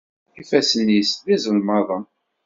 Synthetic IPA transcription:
ifæsənːisðizəlmɑðˤɑ

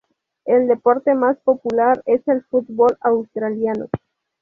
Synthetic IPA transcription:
eld̪e̞po̞ɾt̪emaspo̞pulaɾe̞selfut̪bolawst̪ɾaljano̰

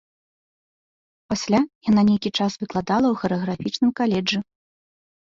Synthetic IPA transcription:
pasʲlʲajananʲejkʲit͡ʂasvɨklˠad̪alˠɐwxɐɾɨɣɾafʲit͡ʂnɨmkalʲɛd͡ʐɨ

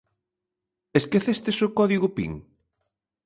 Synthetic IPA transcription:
eskeθest̪esokɔðiɣʊpḭŋ

